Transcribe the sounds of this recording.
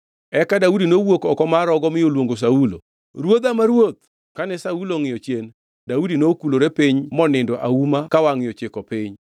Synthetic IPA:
ɛkadaudinowokɔkɔmaɾɔɡɔmɪjolwoŋɡos̬aulo̰ | ɾwod̪amaɾwot̪̚ | kanɛsauloŋɪjɔt͡ʃjen | daudinokuloɾepiɲmɔnɪndɔʔaumakawaŋɪjɔt͡ʃekɔpiɲ

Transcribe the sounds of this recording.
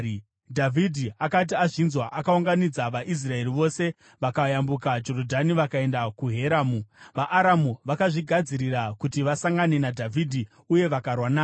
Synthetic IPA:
dʱavʱidʱiakat̬iaʐinzwaʔakauŋɡanid͡zaʋaʔis̬rae̞ɾiʋo̞se̞ | ʋakajambukad͡ʒo̞ɾodʱaniʋakae̞ndakuɦe̞ɾaːmuʋaʔːɾamuʋakaʐiɡʱad͡ziɾirakutiʋasaŋɡane̞nadʱavʱidʱi | uje̞ʋakarwanaː

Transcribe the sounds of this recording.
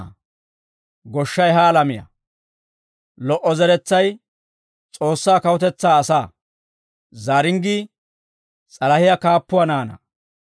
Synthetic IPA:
ɡɔʃːɐjɦaːlɐmɪjɐ̰ | lɔʔɔzɛɾɛt͡sːɐj | t͡sʼo̞ːsːaːkɐwʊt̪ɛt͡sːaːsaː | zaːɾɪŋɡi | t͡sʼɐlɐhɪjɐkaːpːʊwɐnaːnɐ̰

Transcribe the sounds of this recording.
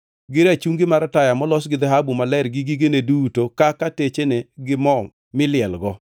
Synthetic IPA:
ɡɪɾat͡ʃuŋɡɪmaɾatajamɔlɔsɡɪd̪ɛɦabumalɛɾɡɪɡɪɡenedutokakatet͡ʃeneɡɪmɔ | mɪlɪɛlɡɔ

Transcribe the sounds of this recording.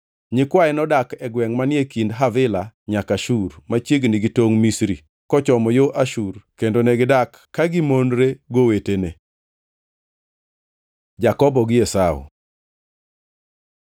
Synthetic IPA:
ɲɪkwaɛnɔdakɛɡwɛŋmanjekindɦavɪlaɲakaʃurmat͡ʃjeɡniɡitoŋmisɾi | kɔt͡ʃɔmɔjoʔaʃurkendonɛɡɪdakːaɡɪmonɾeɡowetene | d͡ʒakɔbɔɡɪjɛsao̰

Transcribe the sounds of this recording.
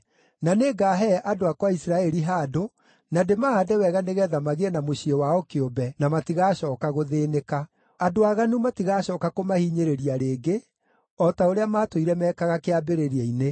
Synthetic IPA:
naneɡaɦɛʔadoakwaisɾaɛɾiɦaːdo | nademahadɛwɛɣaneɣɛðamaɣeɛnamoɕiewaɔkeombɛnamatiɣaːɕɔːkaɣoðeːneka | adoaɣanumatiɣaɕɔkakomahiɲeɾeɾiaɾeːɡe | ɔtaoɾeamaːtoiɾɛmɛːkaɣakeabeɾeɾiɛine

